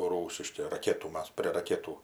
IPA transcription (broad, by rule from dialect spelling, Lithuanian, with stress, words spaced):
ˈruːsʲɪʃʲkʲɪ rɐˈkʲæːtuː ˈmɐs pʲrʲiɛ rɐˈkʲæːtuː